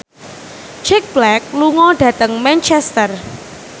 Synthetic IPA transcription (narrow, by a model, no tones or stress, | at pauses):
t͡ʃɛk̚b̥lɛk̚luŋɔɖ̥ä̤t̪əŋmɛnt͡ʃɛst̪ər